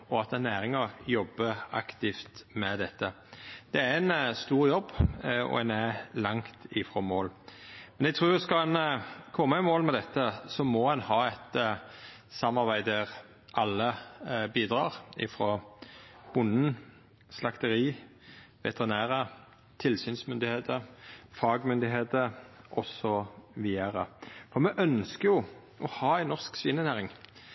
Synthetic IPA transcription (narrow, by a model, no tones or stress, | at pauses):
ɔɑt̪ɛnːæːʁɪŋɑjɔbːəɑ̰kt̪ɪft̪mɛd̪ɛt̪ːə | d̪̥ɛæɛnst̪uːʁjɔbːɔ̰ɛnælɑŋt̪ɪfʁɔmoːlmɛnɛɡ̚t̪ʰɾuːjʊskɑɛnkʰɔmːɑɛmoːlmɛd̪ɛt̪ːəsɔmɔhɛnhɑːɛt̪ | sɑmːɑʁbæɪd̪əʁ | ʔɑlːəbiːd̪ʁɑːʁɪ̰fʁɔ | bʊnːn̩ | slɑkt̪əʁiː | ʋɛ̰t̪əʁɪnæːʁə | t̪ʰɪlsyːnsmʏnd̪ɪheːt̪əfɑːɡmʏnd̪ɪɦeːt̪əɾʔɔsːɔʋiːəʁəfɔʁmɛʔœnskəjʊ | ʔɔhɑːæɪnːɔʁsksʋɪnənæːʁɪŋ